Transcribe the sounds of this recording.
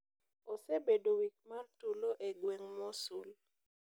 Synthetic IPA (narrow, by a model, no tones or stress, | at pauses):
osebedowik̚martuloʔeɡweŋmɔsul